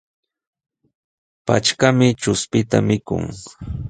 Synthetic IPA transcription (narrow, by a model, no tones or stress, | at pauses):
pa̰t͡ʃkamɪt͡ʃʊspɪt̪a̰mɪkʊ̰ŋ